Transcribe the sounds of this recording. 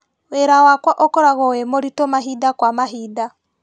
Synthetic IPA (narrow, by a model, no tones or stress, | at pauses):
weɾawakwaʔokoɾaɣɔwemoɾitomaɦidakwamaɦiːda